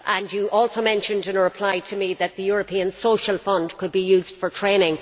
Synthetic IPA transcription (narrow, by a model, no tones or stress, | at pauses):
ʔə̃njəʔɔːlˠsoʊmɛ̃nʃə̃ndɪ̃nəɹɪpʰl̥aɪɾʰəmiðət̪̚ðəjʊɹəpʰĩə̃nsoʊʃəlˠfʌ̃ndkʰəd̚bijʉːzd̥fə˞tʰɹ̥ẽɪ̃nɪ̃ŋ